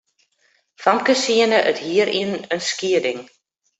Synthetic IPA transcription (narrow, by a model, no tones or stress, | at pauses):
faŋkəsiənəʔəthiəɾʔḭənənskiədɪŋ